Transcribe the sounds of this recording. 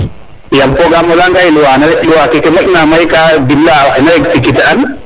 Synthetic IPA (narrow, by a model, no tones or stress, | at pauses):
jampɔɡamɔlaŋɡajluwanaluwakɛkɛmɛʔ̚namajkadibːawajnaɾɛk̚tikitɛan